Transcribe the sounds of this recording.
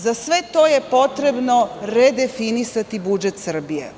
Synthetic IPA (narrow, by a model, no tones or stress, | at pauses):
zasʋet̪o̞ːje̞po̞t̪ɾe̞bno̞ɾed̪e̞finisat̪ibud͡ʒet̪sr̩bijḛ